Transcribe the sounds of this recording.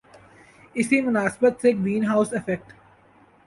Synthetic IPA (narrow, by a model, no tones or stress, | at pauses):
ɪsimʊnaːsbət̪seɡɾiːnɦaːʊsɪfɛk̚ʈ